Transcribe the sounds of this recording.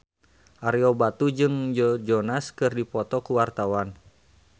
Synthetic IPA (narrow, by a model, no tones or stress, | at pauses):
ʔaɾiɔbat̪ud͡ʒɨŋd͡ʒɔd͡ʒɔnaskɨrdipɔt̪ɔkuwart̪awan